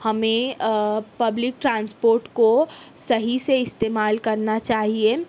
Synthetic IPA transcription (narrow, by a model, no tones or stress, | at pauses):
hɐmẽ | pɐblɪk̚ʈɾãːnspoːɾʈkosɐɦiseɪst̪eːmaːlkɐɾnat͡ʃaːɦie